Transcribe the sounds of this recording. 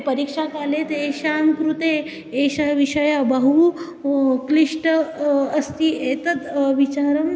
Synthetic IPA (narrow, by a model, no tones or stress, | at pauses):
pɐɾikʂakaːlet̪eʃaŋkɾut̪eː | ʃaʋiʂɐjabɐɦu | kliʂʈ | ɐst̪iet̪ət̪ʋit͡ʃaːɾɐm